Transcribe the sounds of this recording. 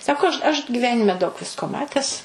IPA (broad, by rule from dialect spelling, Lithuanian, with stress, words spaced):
ˈsɑːkoː ɐʃ ɐʃ ɡʲɪˈʋʲæːnʲɪmʲɛ dɐʊk ˈʋʲɪskoː ˈmɑːtʲɛs